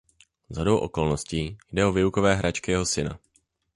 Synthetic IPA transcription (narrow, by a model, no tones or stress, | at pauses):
zɦado̞wʔo̞̰ko̞lno̞sciːjdɛo̞vɪukovɛːɦɾat͡ʃkɪjɛɦo̞sɪna̰